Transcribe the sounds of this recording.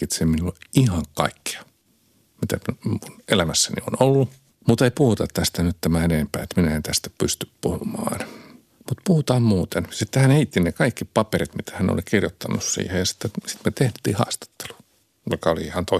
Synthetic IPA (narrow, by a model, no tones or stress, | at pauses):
it̪semminulihɑŋkɑ̰ikːi̥ɑ̥ | mit̪æmunelæmæsːænḭo̰nolːu | mut̪eipuhut̪ɑt̪t̪æst̪ænyt̪t̪æmæeneːmpæ̰ːet̪minæent̪æst̪æ̥pyst̪yppuhumɑ̰ːn | mut̪puhut̪ɑːmmuːt̪ensit̪ːehænheit̪ːinekɑikːipɑperit̪mit̪æ̥hænḛo̰likirjot̪ːɑnːussḭːhejɑsi̥t̪ːesi̥t̪met̪eht̪ːˑḭːhɑ̰ːst̪ɑ̥t̪ːe̥lu̥ | jokɑoliihɑnt̪o